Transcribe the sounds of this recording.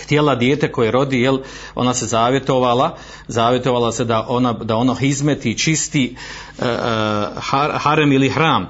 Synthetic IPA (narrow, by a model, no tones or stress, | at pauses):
xt̪jelad̪jeːt̪e̞ko̞jeɾo̞d̪iːjel | o̞̰nase̞zaːʋje̞t̪o̞ʋalˠa | zaːʋje̞t̪o̞ʋaːlˠase̞d̪aʔo̞nad̪ao̞noɦizmet̪it͡ʃist̪i | hahaɾamilihɾaːm